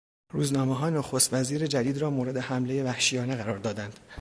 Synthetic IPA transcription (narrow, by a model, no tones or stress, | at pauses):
ruːznɒːmeɦɒːnoxost̪væziːɾed͡ʒæd̪iːd̪ɾɒːmoːɾe̞d̪e̞hæmle̞je̞væhʃijɒːne̞ɣæɾɒːɾd̪ɒːd̪ænd̪̥